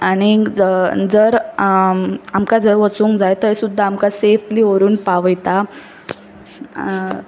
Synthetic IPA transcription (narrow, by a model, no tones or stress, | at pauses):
aɽ̃i | d͡zəɾ | amkad͡zəɾʋət͡suːŋkd͡zajt̪əsud̪ʱːəamkasefliːoɾuːnpaʋəjt̪a